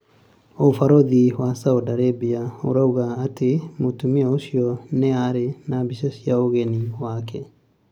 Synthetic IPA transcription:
ofaɾoðiwasawdaɾebiaoɾauɣaːtemotumiɛoʃiɔneaɾenabisesjaoɣeniwakʰɛ

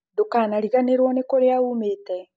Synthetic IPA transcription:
dokaːnaɾiɣaneɾwɔnekoɾeaumeːtɛ

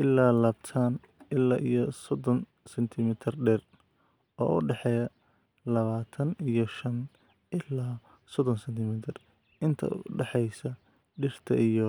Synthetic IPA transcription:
ʔɪlːaːlaːbt̪ʰaːn | ɪlːaːʔijɔsɔd̪ɔn | sɛnt̪ʰɪmɪt̪ʰɪrɖɛːr | ɔ̰ːʔʊɖɛħɛjɐ | lɐβaːt̪ʰɐnijɔʃɐn | ʔɪlaː | sɔd̪ɔnsɛnt̪ʰɪmɪt̪ʰɪr | ʔɪnt̪ʰɐ̰ʊ̰ɖɛħɛjsɐ | ɖɪr̥t̪ʰɐʔijɔ

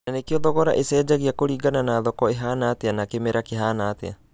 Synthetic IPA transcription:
nanekioðɔɣɔɾa̰ʔesɛːd͡ʒaɣiakoɾiɡananaðɔkɔeɦanaːt̪eanakemeɾakeɦanaːt̪ea̰

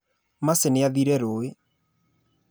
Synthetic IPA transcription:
maseneaðiɾɛɾoːe

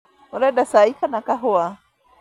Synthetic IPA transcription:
oɾadasaikanakaɦoa

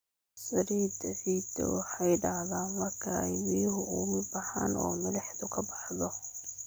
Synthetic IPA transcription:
sɐɾiːd̪ɐsiːd̪ɛ̰wɑħɑjɖahðaːnmɐrkʰɐɛjbijʊɦʊʔuːmɪbɐħa̰ːnʔɔ̰ːmɐlɛħðʊkʰɐbɑ̥ħðɔ

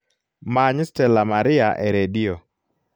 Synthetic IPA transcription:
maɲstɛlamaɾɪaʔɛɾedio

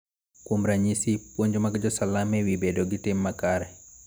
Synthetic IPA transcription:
kwomɾaɲisipwoɲd͡ʒɔmaɡd͡ʒɔsalamɛwibɛdɔɡitɛmːakaɾɛ

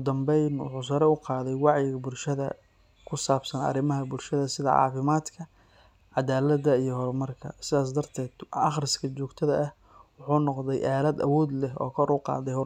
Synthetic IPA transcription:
ʊd̪ɐmbɛjnwʊ̰ħuːs̬ɐɾɛʊqɑːðɛjwɑʕjɪɣɐbʊlʃɐðɐ̰ | kʰʊsaːbsɐnɐ̰ɾɪmɐɦɐbʊlʃɐðɐsɪðɐ̰ʕɑ̰ːfɪmaːd̪kʰɐ | ʕɑd̪aːlɐd̪ɐijɞɦɔɾmɐrkʰɐ̰sɪðaːs̬d̪ɐrt̪ʰɛːd̪ɑχrɪskʰɐt͡ʃɔːɡt̪ʰɐðɐʔɐh | wʊħuːnɔqðɛjʔaːlɐd̪ɐ̰wɔːd̪lɛɦɔ̰ːkʰɔɾʊqɑ̰ːðɛjhɔ

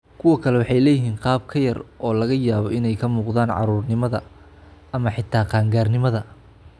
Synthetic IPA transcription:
kʰʊwɐkʰɐlɛwɑħɑjlɛːjɪɦiːnqɑːb̚kʰɐjɐrɔːlɐɣɐjaːβɔɪnɛjkʰɐmuːqðaːnʕɑ̰ɾuːrnɪmɐðɐ | ɐmɐħɪt̪ʰaːqɑːŋɡaːrnɪmɐðɐ

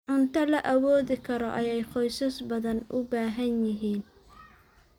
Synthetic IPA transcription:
ʕʊnt̪ʰɐlɐʔɐwɔːðɪkʰɐɾɔʔɐjɛjχɔjsɐsbɐðɐnʔʊbaːɦɐnjɪɦiːn

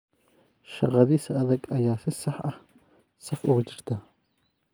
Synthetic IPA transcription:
ʃɐʁɑðiːsɐɐðɐɡɐjaːsɪsɐħɐh | sɐfʊɣʊt͡ʃɪrt̪ʰɐ

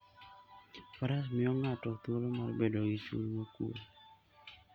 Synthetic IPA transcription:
faɾas̬mɪɔŋatɔt̪olomarbedoɡit͡ʃṵlɲokṵ

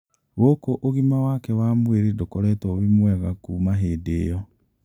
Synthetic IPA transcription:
wokoʔoɣimawakɛwamweɾedokɔɾɛːtɔβimwɛɣakuːmaɦeːdejɔ

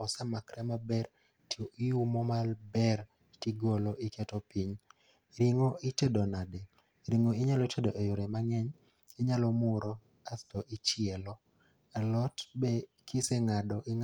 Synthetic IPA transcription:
ɔsamakɾɛmabɛr | tioʔijumɔmalbɛr | tiɡoloʔiketopiɲ | ɾɪŋoʔɪtedonade | ɾiŋoɪɲalɔtedoʔejoɾemaŋɛɲ | ɪɲalɔmʊɾo | astɔʔɪt͡ʃɪɛlɔ | alɔtbe | kʰiseŋadɔʔɪŋ

